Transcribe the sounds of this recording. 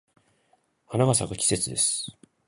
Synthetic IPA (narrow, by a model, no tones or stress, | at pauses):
hanaɡasaɡakʲi̥se̞t͡sɨd̪e̞sɨ̥